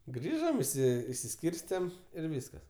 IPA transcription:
ˈɡrʲiːʒɐm ɪʃʲˈsʲɪ ɪʃʲsʲɪˈsʲkʲiːrʲsʲtʲɛm ɪr ˈʋʲiːskɐs

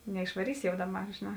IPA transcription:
nʲɛɪʃʋɐˈrʲiːsʲɪ jɛʊ ˈdɑːˌbɐr ʒʲeːˈnɑː

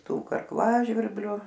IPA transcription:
ˈtuː kɐrˈklˠɑːʒʲʋʲɪrʲbʲlʲʊ

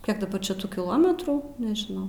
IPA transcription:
ˈkʲiɛk dɐˈbɐr t͡ʃʲɛ ˈtuː kʲɪˈlˠoːmʲɛtruː nʲɛʒʲɪˈnɐʊ

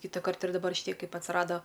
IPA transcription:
kʲiːtɐˈkɐrt ɪr dɐˈbɐr ʃʲɪˈtʲiɛ ˈkɐɪp ɐtsˈrɑːdoː

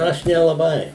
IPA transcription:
ˈɐʃ nʲɛlˠɐˈbɐɪ

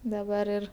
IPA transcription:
dɐˈbɐr ɪr

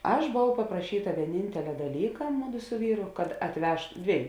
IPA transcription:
ˈɐʃ boːˈʋɐʊ pɐprɐˈʃʲiːtɐ ʋʲiɛˈnʲɪnʲtʲɛlʲɛ dɐˈlʲiːkɐ ˈmʊˌdʊ sʊ ˈʋʲiːrʊ kɐt ɐtʲˈʋʲɛʃ ˈdʲʋʲiɛjʊ

